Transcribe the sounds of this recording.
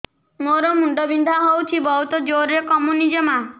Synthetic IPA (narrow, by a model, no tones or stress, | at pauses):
moɾɔmuɳɖɔbind̪ʱaɦowt͡ʃʰibɔɦut̪ɔd͡ʒoɾjɔkɔmunid͡ʒɔma